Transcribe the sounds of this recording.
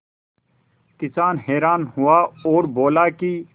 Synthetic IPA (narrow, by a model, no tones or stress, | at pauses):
kɪsaːnɦeːɾaːnhʊaːoːɾboːlaːkiː